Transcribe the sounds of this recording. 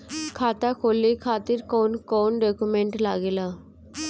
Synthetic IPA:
kʰaːt̪aːkʰoːlikʰaːt̪ɪɾkoːnkɔːnɖoːkumẽːɳʈlaːɡeːlaː

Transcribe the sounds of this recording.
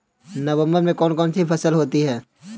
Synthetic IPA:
nɐʋə̃mbəɾmẽkɔːnkɔːnsipɐsəlɦoːt̪iɦɛː

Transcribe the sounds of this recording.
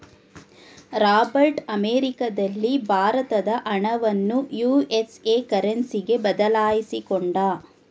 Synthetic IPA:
ɾaːbɐɾʈɐmeːɾikɐd̪ɐlːibʱaːɾɐt̪ɐd̪ɐʔɐɳɐʋɐnːujuːe̞seːkɐɾɐnsiɡe̞bɐd̪ɐlaːjisikoɳɖɐː

